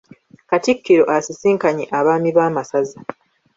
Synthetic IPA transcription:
katikːiɾo̞ʔasisiːŋkaɲḛʔaβaːmiβaːmasaza

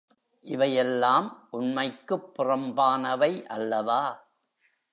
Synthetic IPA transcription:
ʔɪʋɐjɛlːaːmʔʊnmɐɪkːɯpːɪrɐmbaːnɐʋɐɪʔɐlːɐʋaː

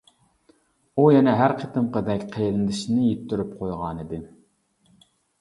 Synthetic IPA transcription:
ujɛnɛɦæɾqʰət̪ɨmqʰəd̪ɛkʲqʰejlɪnd̪ɪʃinɪjet̪ʰːyɾypqʰojʁɑnɨd̪ɨ

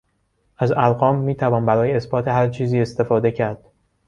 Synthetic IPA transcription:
ʔæzælɣɒːmːiːt̪ʰævɒːnbæɾɒːjeesbɒːt̪ʰe̞ɦæɾt͡ʃʰiːziːe̞st̪e̞fɒːd̪e̞cʰæɾd̪̥

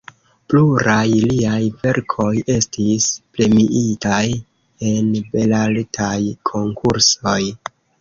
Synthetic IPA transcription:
pluɾajliajve̞ɾkʰo̞je̞stisple̞miʔitaj | e̞nbe̞laltʰajkʰo̞ŋkʰuɾso̞j

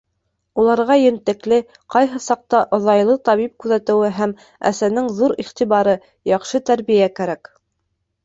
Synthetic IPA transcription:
ulˠɑɾʁɑjɘ̆nt̪ɘ̆klɘ | qɑjɦɤsɑq̚t̪ɑʔŏðɑjlˠɤt̪ɑβip̚kʉðæt̪ɘ̆wɘɦæm | æ̰sænɘŋðuɾiχt̪iβɑɾɤ | jɑχʃɤt̪æɾβijækæɾæk

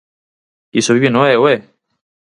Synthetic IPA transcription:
isoβiβinoewe

